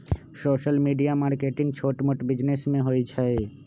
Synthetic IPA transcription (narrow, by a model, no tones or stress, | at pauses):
soːʃəlmiɖijamaːɾkeʈɪ̃ŋɡ̚t͡ʃʰoːʈmoʈbɪd͡ʒnesmẽɦojt͡ʃʰae